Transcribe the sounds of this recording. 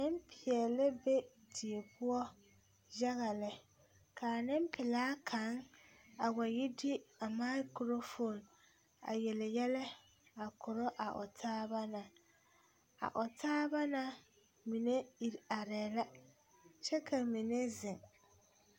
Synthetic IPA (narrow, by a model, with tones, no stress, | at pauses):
nɪ˦m˦pʰɪ˨ɛ˨lɪ˦be˦ | di˨e˨pʊ˦ɔ˦ | ja˦ɣa˨lɪ˦ | kʰa˨nɪ˦m˦pʰɪ˨laː˦kʰa˨˦ŋa˨wa˨jɪ˦dɪ˦a˨ma˦kɾo˦fo˨n | a̰˨je˨lɪ˨jɛ˦lɛ˦ | a˨kʰʊ˨ɾɔ˦ʔa˨ʔʊ̰˨tʰaː˦ba˦na˨ | a̰˨ʔʊ˨tʰaː˦ba˦na˨ | mi˨ne˦i˨ɾa˨ɾɛː˨la˦ | t͡ʃɛ˦kʰa˨mi˨ne˦zɪ˨ŋ